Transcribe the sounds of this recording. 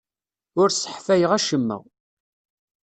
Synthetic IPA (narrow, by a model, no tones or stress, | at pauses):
ʊɾsə̥ħfæjəʁæʃəmːə̰ʁ